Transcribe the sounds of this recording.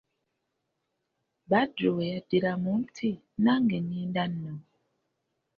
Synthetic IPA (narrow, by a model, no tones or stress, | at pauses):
badojadiɾamum̩tʰi | naŋɡenindanːɔ